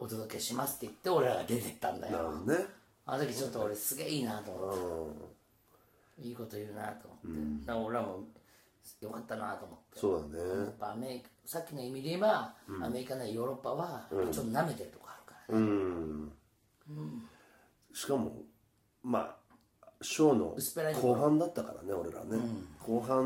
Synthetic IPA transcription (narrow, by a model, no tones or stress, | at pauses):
o̞t̪o̞d̪o̞ke̞ɕimasɨ̥t̪ːeit̪ːe̞o̞ɾe̞ɾaɡad̪e̞t̪e̞i̥t̪ːãnd̪a̰ja̰ne | anot̪akʲit͡ɕo̞t̪ːoːɾesɨɡḛiːnat̪oːmoe | iːko̞t̪ojɯna̰t̪o̞ːmot̪ːe̞naoɾe̞ɾamo̞ | jo̞kat̪ːana̰t̪oːmo̞t̪ːesoːd̪anejapːaːme̞ɾʲiksakʲːinoimʲiɾemaːme̞ɾʲikanajoːɾo̞pːaβãt͡ɕot̪ːoname̞t̪eɾɯt̪okaːɾɯ̟̥kaɾanɯ̃ | ɯ̃ | ɕi̥kamo̞̰ | ma̰ː | ɕoːno̞̰ɯsɨ̥peɾaitk̪koːɦãnd̪at̪ːakaɾa̰ne̞o̞ɾe̞ɾa̰nekʰoːɦã